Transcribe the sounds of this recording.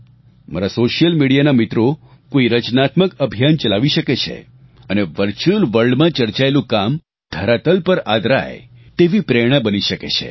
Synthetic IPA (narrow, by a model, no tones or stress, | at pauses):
maɾasoʃijəlmiɽijanamit̪ɾo | koiɾət͡ʃnat̪məkəbʱijant͡ʃəlaʋiʃəket͡ʃʰḛ | əneʋəɾt͡ʃuəlʋəɭɖmãt͡ʃəɾt͡ʃaelũkam | d̪̥ʱəɾat̪əlpəɾad̪ɾa̰jet̪eʋipɾeɽ̃əbəniʃəket͡ʃʰḛ